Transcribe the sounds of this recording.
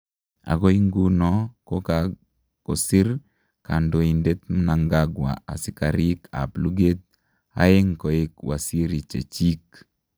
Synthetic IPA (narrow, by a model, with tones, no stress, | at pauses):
a̰˨ko˦i˦ŋɡu˦nɔ˦ko˦ka | ko˨si˦ɾ | ka˨ndo˨i˨nde˦t̪̚m˦na˨ŋɡa˦ɡwa̰˨a̰˨si˦ka˨ɾi˦kʰa̰˨plu˦ɡe˦t̪̚ | a̰˦e˦ŋko˨e˦kwa̰˨si˦ɾi˨t͡ʃḛ˨t͡ʃi˦k